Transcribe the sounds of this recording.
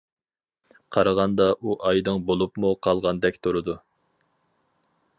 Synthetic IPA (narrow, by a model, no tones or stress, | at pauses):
qʰɑɾɑʁɑnd̪ɑʔuʔɑjd̪ɨŋbolˠupmuqʰɑlˠʁɑnd̪ɛkʲt̪ʰuɾɨd̪u